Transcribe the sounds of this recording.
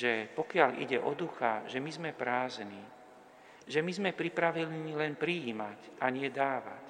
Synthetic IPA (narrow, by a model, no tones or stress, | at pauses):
ʒɛpɔkɪalḭɟɛʔɔd̪uxaʒɛmizmɛpɾaːzni | ʒɛmizmɛpɾipɾaʋilnilɛnpɾiiːmacʔaɲɪɛd̪aːʋa̰c